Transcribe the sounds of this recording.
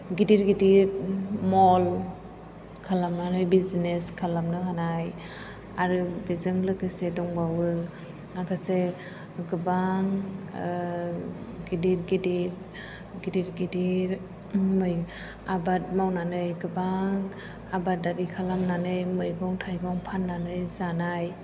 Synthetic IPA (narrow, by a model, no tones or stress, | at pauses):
ɡidiɾɡidiɾmɔl | kʰalamnɯhanajbizneskʰalamnɯɦanaj | aɾɯbizɯŋlɯkɯsedɔŋbawɯ | napʰase | ɡɯbaŋ | ɡidiɾɡidiɾ | ɡidiɾɡidiɾ | mɯj | abat̚mawnanɯjɡɯbaŋ | abat̚daɾikʰalamnanɯjmɯjɡɔŋtʰajɡɔŋpʰanːanɯjzanaj